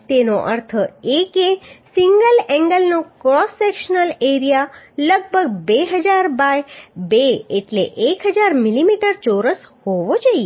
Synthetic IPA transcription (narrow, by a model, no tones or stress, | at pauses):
t̪enoʔə̰ɾt̪ʰəekesiŋɡəlɛ̃ŋɡəlnokɾɔsːekʃənəleɾijaləɡ̚bʱəɡ̚beɦəd͡ʒaɾbajbeeʈleʔekɦəd͡ʒaɾmilimiʈəɾt͡ʃoɾəshoʋod͡ʒəie